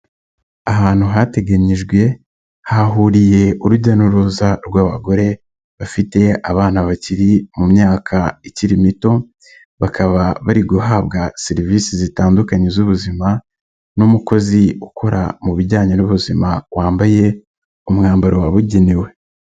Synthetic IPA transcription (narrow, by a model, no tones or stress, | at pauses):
aɦaːn̥huɦate̞ɡaɲiʒɡwe̞ | haɦuːɾije̞uɾuɟanuɾuzaɾɡwaːβa̰ɡo̞ɾe̞ | βafite̞aβaːnaβaciɾimumɲaːkʰaiciɾimito̞ | βakʰaβaβaɾiɡuɦaːβɡaseɾiviːsizitaːndukaɲezuβuzima | numuko̞ziukʰo̞ɾa̰muβiɟaːɲenuβuzimawaːmbaje̞ | umŋaːmbaɾowaβuɟiniwe̞